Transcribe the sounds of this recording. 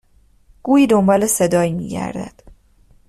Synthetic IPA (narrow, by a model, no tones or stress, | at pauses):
ɡ̥uːiːd̪ombɒːle̞se̞d̪ɒːimḭːɟæ̰ɾd̪æ̰d̪̥